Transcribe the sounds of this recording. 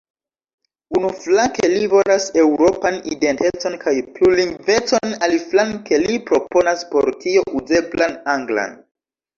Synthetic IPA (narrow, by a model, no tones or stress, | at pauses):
unuflake̞livolase̞wɾo̞panḭde̞ntet͡so̞nkajpluliŋve̞t͡so̞naliflanke̞lipɾo̞po̞naspo̞̰ɾtʰio̞ʔuze̞blanaŋɡla̰n